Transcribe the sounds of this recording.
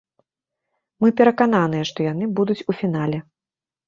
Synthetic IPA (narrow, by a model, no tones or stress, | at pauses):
mɨpʲɛɾɐkan̪anɨjɛʂt̪ɔjan̪ɨbud̪ut͡sʲufʲinalʲɛ